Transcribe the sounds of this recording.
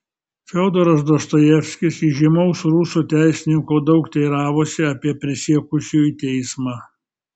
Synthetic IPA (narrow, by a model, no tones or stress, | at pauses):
fʲɛoːd̪oːɾɐs̬d̪ost̪ojɛfʲsʲkʲɪsiʒʲɪmɐʊsɾusuːt̪ʲæˑɪsʲɪnʲɪŋkoːd̪ɒʊkt̪ʲɛɪɾɑːʋoːsʲɪɐpʲiɛpʲɾʲɪsʲiɛkʊsʲuːit̪ʲɛɪsmɑː